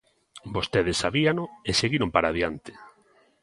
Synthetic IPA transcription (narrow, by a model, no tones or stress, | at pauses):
bost̪eðesːaβianʊeseɣiɾompaɾaðjant̪ɪ̥